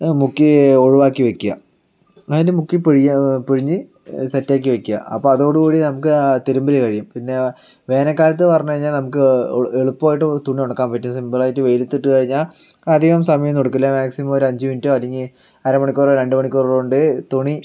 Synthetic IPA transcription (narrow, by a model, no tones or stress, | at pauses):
mukːioɻuʋaːkːiʋekʲːujɐ̰ | ɐðindemukːipiɻijapiɻiɲːɨ | sɐtːaːk̬ːiʋekːujɐ̰ɐ̰pːoːɐðoɽukuːɽinɐmukːɨt̪eɾumbilekɐɻijumpinːe̞ | ʋe̞ːnɐkːaːlɐt̪̬ːɨpɐrɐɲːukɐɻiɲːaːlnɐmuk̬ːɨeɭupːoːjiʈːɨt̪uɳioɽɐkːaːmpɐtːimsimbɐlaːjitːɨʋejlit̪ːiʈːɨkɐɻiɲːaːl | ɐd̪ʱiɣɐmsɐmɐjɐmt̪oɽukːilːamaːksimɐmoɾɐɲd͡ʑɨmintːoɐliŋɡi | ɐɾɐmɐɳikʲːoːroɾe̞ɳɖɨmɐɳikʲːoːrruɳɖɨt̪uɳi